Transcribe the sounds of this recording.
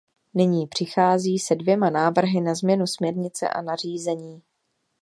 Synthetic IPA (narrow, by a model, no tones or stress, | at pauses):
nɪɲiːpr̥ɪxaːziːsɛdvjɛmanaːvr̩ɦɪnazmɲɛnusmɲɛɾɲɪt͡sɛ̰ʔa̰nar̝iːzɛɲiː